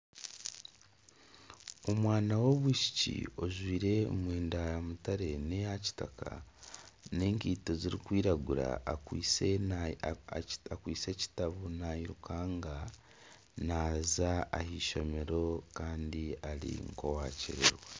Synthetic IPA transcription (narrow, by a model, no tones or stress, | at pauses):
omwaːnawo̞βwiːʃi̥cḭo̞ʒwiːɾe̞mweːndaamutaɾe̞nejaci̥takʰa̰ | ne̞ːŋkiːto̞ziɾikwiːɾaɡuɾa̰iːse | akwiːt͡se̞ːci̥taβunaiɾukʰaːŋɡa | naːzaːhiːʃo̞me̞ɾo̞kaːndiaɾḭŋko̞waːcḭɾḛɾwe